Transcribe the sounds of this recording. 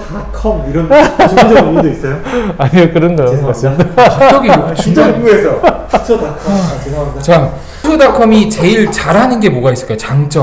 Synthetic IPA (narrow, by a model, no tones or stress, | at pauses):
akʰʌmiɾʌn | dois͈ʌjoaɲikɯɾʌnɡaɡas͈ʰidʌɡit͡ɕud͡ʑʌɡuesʰʌj | tʰoakʰʌ | t͡ɕa | sʰodakʰʌmit͡ɕe̞iɭt͡ɕaɾɦanɯnɡe̞moɡais͈ɯ̥ɭk͈ajot͡ɕaŋt͡ɕ͈ʌ